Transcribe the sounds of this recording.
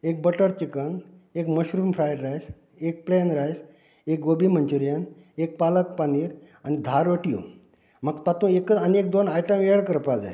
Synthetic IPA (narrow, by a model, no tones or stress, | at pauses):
ek̚bəʈəɾt͡ɕikən | ekməɕɾuːmfʰɾajɖɾajs | ek̚plenɾajs | ek̚ɡobiːm̤ənt͡ɕuɾjən | ek̚palək̚paniːɾ | anid̪ʱaɾʋəʈijo̰ | məɡt̪at̪ũːekəaniek̚d̪onajʈəmeɽkəɾpad͡za̰j